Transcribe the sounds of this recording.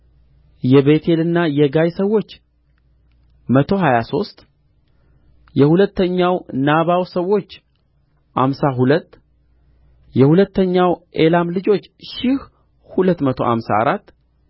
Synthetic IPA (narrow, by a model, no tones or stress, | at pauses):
jɛβe̞t̪ʰe̞lɨnːajɛɡajsəwːo̞t͡ʃː | mət̪ʰo̞ɦajaso̞st̪ | jɛhulət̪ːəɲːawnaβawsəwːo̞t͡ʃː | ʔa̰msaɦulət̪ː | jɛhulət̪ːəɲːawʔe̞lamlɨd͡ʒo̞t͡ʃːʃɪh | hulət̪ːmət̪ʰo̞̰ha̰msa̰ːɾat̪ː